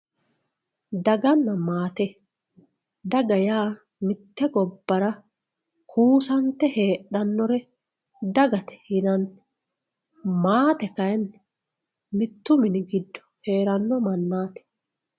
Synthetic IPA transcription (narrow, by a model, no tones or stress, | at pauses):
d̪ɐɡɐnːɐmaːt̪ɛ | d̪ɐɡɐjaː | mɪt̪ːɛɡɔbːɐɾɐ | kʰuːsɐnt̪ɛheːᶑɐnːɔɾɛ | d̪ɐɡɐt̪ɛ̥hɪnɐnt̪ɛ̥ | maːt̪ɛkɐjnː | mɪt̪ːʊmɪnɪɡɪd̪ːɔ̥he̞ːɾɐnːɔmɐnːaːt̪ɛ̥